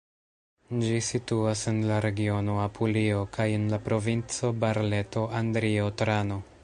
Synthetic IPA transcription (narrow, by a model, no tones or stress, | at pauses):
d͡ʒisituasenlaɾe̞ɡio̞noapʰuliokajenlapɾo̞vint͡so̞baɾle̞to̞andɾiotɾano̞